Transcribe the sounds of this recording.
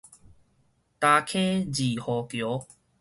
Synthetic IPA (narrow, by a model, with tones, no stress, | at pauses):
t̪a˧kʰẽ˦d͡ʑi˨˩hɔ˨˩kjo˨˦